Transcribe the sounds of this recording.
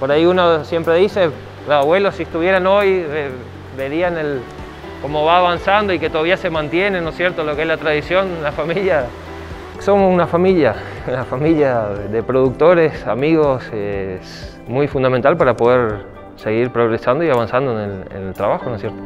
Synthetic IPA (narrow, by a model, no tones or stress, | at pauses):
poɾaiunosje̞mpɾe̞ðise̞ | losaβwe̞losːiest̪uβje̞ɾano̞je | be̞ɾianel | ko̞mo̞βaːβansand̪oike̞t̪oaβiase̞mãnt̪je̞neno̞sje̞ɾt̪olokeezlat̪ɾaðisjo̞nlafamiʎja | so̞mosunafamiʎa | unafamiʎjaðepɾo̞ðuk̚t̪o̞ɾe̞samiɣo̞ses | mujfund̪ament̪alpaɾapo̞ð̞e̞ɾ | se̞ɣiɾpɾo̞ɣɾe̞sand̪oiaβansand̪oenelḛnelt̪ɾaβaxo̞nosje̞ɾt̪o